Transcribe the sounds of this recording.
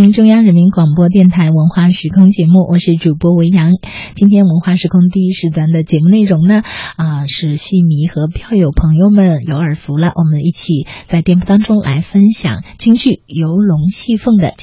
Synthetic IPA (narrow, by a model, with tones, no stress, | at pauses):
i˧˥ŋʈ͡ʂʊ˥˧ŋja˥ŋɻə˧˥nmi˧˥nkwɑ˨˩ŋpwɔ˥t̪̬jɛ˥˩nt̪ʰa˧˥ɪwə˧˥nxwa˥˩ʂɻ̩˧˥kʰʊ˥ŋt͡ɕjɛ˧˥mu˥˩wʔɔ˨˩ʂɻ̩˥˩ʈ͡ʂu˨˩pwɔ˥we˧˥ɪjɑ˧˥ŋt͡ɕi˥nt̪ʰjɛ˥nwə˧˥nxwa˥˩ʂɻ̩˧˥kʰʊ˥ŋt̪̬i˥˩i˥ʂɻ̩˥˩t̪ʰwa˧˥nd̪ə˧t͡ɕjɛ˧˥mu˧ne˥˩ɪɻʊ˧˥ŋnə˨ə˧ʂɻ̩˥˧ɕi˥˩mi˧˥xɤ˧˥pʰjɑ˥˩ʊjo˨˩ʊpʰɤ˧˥ŋjo˥˧ʊmə˨˩njo˧˥ʊə˞˨˩fu˧˥lə˧ʔwʔɔ˨˩mə˦ni˥˩t͡ɕʰi˨˩t͡sa˥˧ɪt̪jɛ˥˧npu˥˩t̪ɑ˥ŋʈ͡ʂʊ˥ŋlʔa̰˧˥ɪfə˥nɕjɑ̰˨˩ŋt͡ɕi˥ŋt͡ɕy˥˩jo˧˥ʊlʊ˧˥ŋɕi˥˧fɤ˥˩ŋd̪ə̰˩